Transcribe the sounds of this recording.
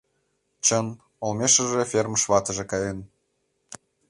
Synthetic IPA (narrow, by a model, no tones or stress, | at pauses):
t͡ɕən | olmeʃə̆ʒefʲermʃβɑt̪ə̆ʒĕkɑjen